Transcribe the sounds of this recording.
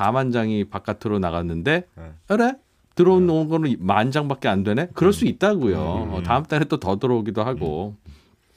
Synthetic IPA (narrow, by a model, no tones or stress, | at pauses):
amand͡ʑaŋipak͈atʰɯɾonaɣanːɯnde̞ʌɾe | tɯɾʌunounɡʌnɯmand͡ʑaŋbak͈e̞andwe̞nekɯɾʌɭs͈uit̚t͈aɡojotaɯmt͈aɾet͈otʌdɯɾʌoɡidoɦaɡo